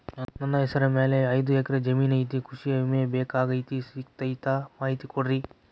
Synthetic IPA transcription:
nɐnːɐɦɛsɐɾɐmeːleɐjd̪ueːkɐɾed͡ʒɐmiːnɐjt̪̬ikʰuʂijɐimeɐbeːkaːɡɐjt̪isiːkt̪ɐjt̪aːmaːɦit̪ikoɽɾi

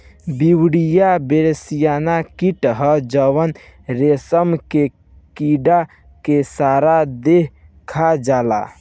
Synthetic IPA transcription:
biwɽijabeɾsijanakiʈɦəd͡ʒəwənɾesəmke | kiɖa | kesaɾad̪eɦ | kʰad͡ʒala̰

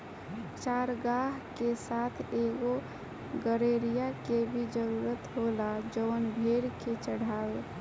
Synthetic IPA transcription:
t͡ʃaːɾɡaɦkesat̪ʰeɡo | ɡəɾeɾijakebʱid͡ʒəɾuɾət̪ɦolad͡ʒəʋənbʱeɾket͡ʃəɽ̤aːwe

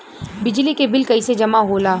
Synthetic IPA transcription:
bɪd͡ʒlikebɪlkɐised͡ʒɐmaɦoːlaː

